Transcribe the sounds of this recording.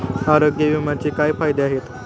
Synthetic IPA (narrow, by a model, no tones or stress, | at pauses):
aɾoɡjəʋimat͡ɕiːkajfajd̪eaɦet̪